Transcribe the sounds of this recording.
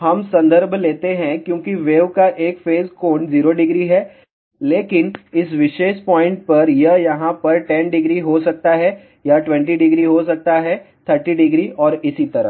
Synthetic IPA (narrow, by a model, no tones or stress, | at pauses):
ɦɐmsɐ̃nd̪ʱəɾbʱleːt̪eɦɛ̃kjõːkiʋeːʋkaʔeːkfeːzkoːɳziːɾoɖɪɡɾiɦɛː | leːkɪnɪsʋɪʃeːʃpɔ̃ːɪ̃ɳʈ̚pɐɾjɐjɐɦãpɐɾʈɛ̃nɖɪɡɾiɦosɐk̚t̪aɦɛ | jaʈwɛ̃ɳʈiɖɪɡɾiɦos̬ɐk̚t̪aɦɛt̪ʰəɾʈiɖɪɡɾiʔɔːɾɪsit̪ɐɾə̰